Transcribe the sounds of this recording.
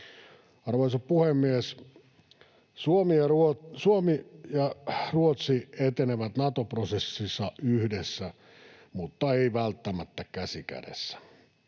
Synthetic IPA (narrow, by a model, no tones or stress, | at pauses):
ɑrʋoisoppuhemːies | suomijɑruosuomijɑruot̪siet̪eneʋæt̪nɑt̪oprosesːisːɑyhdesːæ | mut̪ːɑeiʋælt̪ːæmæt̪ːækæsikæ̰dḛsːæ̥